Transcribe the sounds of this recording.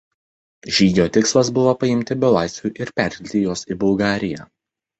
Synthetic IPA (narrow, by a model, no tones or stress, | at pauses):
ʒʲiːd̪ʲoːt̪ʲɪkslˠɐsbʊʋoːpɐɪmʲt̪ʲɪbʲʊlˠɑˑɪsʲʋʲuːˑʔɪɾpʲæɾʲk̪ʲɪlʲt̪ʲɪjoːsibʊlˠɡɑːɾʲɪjæː